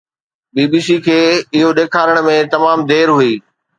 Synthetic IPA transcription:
ɓiːbiːsikʰeːɪɦoɗeːkʰaːɾəɽ̃̆mẽt̪ɐmaːmd̪eːɾɦuiː

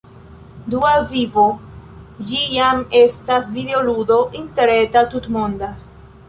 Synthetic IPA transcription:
duavivo̞ | d͡ʒijame̞stasvideoludo̞ʔinteɾe̞tatutmo̞nda

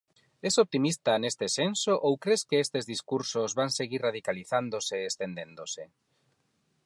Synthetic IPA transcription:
ɛsop̚t̪imist̪anest̪esensoʔowkɾeskeest̪ezðiskuɾsozβaŋseɣiraðikaliθand̪oseest̪end̪end̪ose

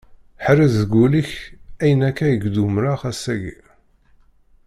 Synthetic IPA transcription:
ħɾizðəɡuliçæjənækːæjəɡd̪umɾaχæsæɡḭ

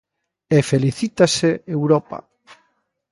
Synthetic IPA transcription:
efeliθit̪aseewɾɔpa̰

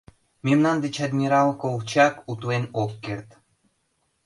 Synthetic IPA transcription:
memnand̪et͡ɕad̪ʲnʲiɾɑlkowt͡ɕɑkut̪uenokːert̪

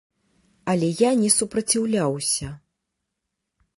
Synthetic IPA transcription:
ɐlʲɛjanʲɛsupɾɐt͡sʲiwlʲawsʲɐ

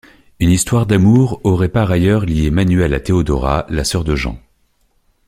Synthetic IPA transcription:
ynist̪waʁd̪amuʁɔʁɛpaʁajœʁljemanyɛlat̪eod̪ɔʁa̰lasœʁd̪əʒɑ̰̃

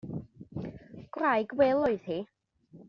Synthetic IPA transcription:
ɡ̥wrajɡwɛlˠɔɨð̥hi

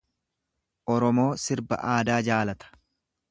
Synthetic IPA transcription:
ʔɔɾɔmo̞ːsɪɾbɐ̰ʔaːd̪aːd͡ʒaːlɐt̪ɐ̥

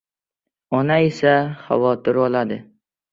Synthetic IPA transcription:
ɒnaesaχa̰vɒt̪ʰɪɾɒlad̪ɪ

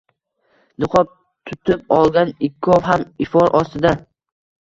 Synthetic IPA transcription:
nɨqʰɒp̚ | t̪ʰʊt̪ʰɪpɒlˠɡʲanɪkʲʰːɒvɦamɪfɒɾʔɒst̪ɪd̪a

